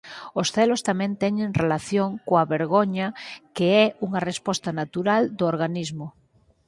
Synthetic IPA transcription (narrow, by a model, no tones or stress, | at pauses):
ʊsθɛlʊst̪amɛ̃nt̪ɛɲeŋrelaθjoŋkoaβeɾɣoɲɐkeɛuŋɐrespɔst̪ɐnat̪uɾald̪ooɾɣanizmʊ